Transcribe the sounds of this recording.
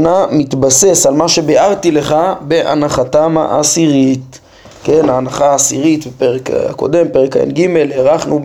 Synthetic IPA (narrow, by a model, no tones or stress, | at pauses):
namit̪base̞salmaʃe̞beaʁt̪ile̞χabe̞ʔa̰naχatama̰ʔasiʁit | kenaːnaχaːsiʁit̪bepeʁeka̰ko̞̰d̪e̞mpeʁekaḛnɡime̞lheʁaχnu